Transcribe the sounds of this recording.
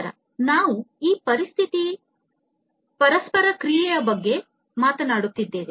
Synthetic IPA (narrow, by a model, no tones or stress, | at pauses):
ɾɐ̰ | naːʋuiːpɐɾist̪ʰit̪i | pɐɾɐspɐɾɐkɾijɛjɐbɐɡːe̞ | maːt̪ɐnaːɽut̪ːid̪ːe̞ːʋe